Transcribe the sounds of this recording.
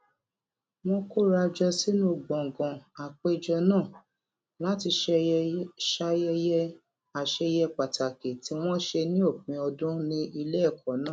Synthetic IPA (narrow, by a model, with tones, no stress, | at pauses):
w̃ɔ̃˧ko˦ɾa˧d͡ʒɔ˧si˦nũ˦˨ɡ͡bɔ̃˨ɡɔ̃˨a˨k͡pe˦d͡ʒɔ˧nãː˦˨ | la˦ti˧ʃɛ˧ʃa˧jɛ˧jɛ˧˦ | a˨ʃe˧jɛ˧k͡pa˨ta˨ke˨ti˧˦w̃ɔ̃˦ʃe˧nĩ˦o˦˨k͡pĩ˨ɔ˧dũ˦nĩ˦ʔi˧le˦˨kʰɔ˨˦nãː˦˨